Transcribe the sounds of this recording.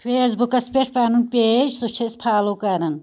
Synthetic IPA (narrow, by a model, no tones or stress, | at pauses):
pʰeːsbukɐspeʈʰpaːnunpeːd͡ʒsut͡ʃʰespʰaːlokɐɾɐn